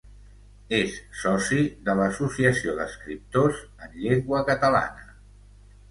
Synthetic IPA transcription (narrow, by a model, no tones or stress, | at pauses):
esːɔsiðələsusiəsioðəskɾip̚t̪oz | ənʎeŋɡwəkət̪əla̰nə